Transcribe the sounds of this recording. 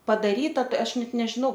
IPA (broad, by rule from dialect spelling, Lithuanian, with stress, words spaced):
pɐdɐˈrʲiːtɐ ˈtɐɪ ˈɐʃ ˈnʲɛt nʲɛʒʲɪˈnɐʊ